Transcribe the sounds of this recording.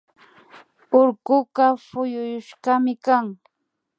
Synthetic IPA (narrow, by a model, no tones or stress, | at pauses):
ʊɾkʊɢɑfʊjʊjʊʃɢɑmɪkaŋ